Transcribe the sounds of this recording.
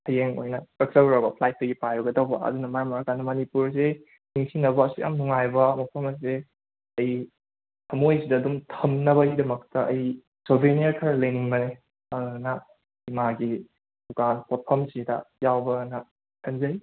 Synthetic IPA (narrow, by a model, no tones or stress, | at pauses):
hʰɐjeŋo̰jnɐkɐk̚sɐwɾabɐpʰlajt̚tɐɡipajɾɐɡɐdɐwbɐɐ̰dunɐmɐɾamɐɾakanɐmɐnipuɾze | niŋsinɐbɐːsiʔa̰mnuŋajbɐmɐpʰɐmɐs̬se | ɐj | hʰɐmojsidɐːdumtʰɐmnɐbɐidɐmɐk̚tɐʔɐj | sobʱenijaɾkʰɐɾɐlɐjniŋbɐne | ɐnɐ | imaɡi | dukanpot̚pʰɐmsidɐ̰jawbɐnɐ | kʰɐnzɐj